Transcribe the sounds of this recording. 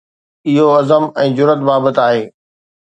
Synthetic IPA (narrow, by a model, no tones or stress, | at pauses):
ɪɦoɐzəmɛ̃ːd͡ʑʊɾət̪baːbət̪aːɦeː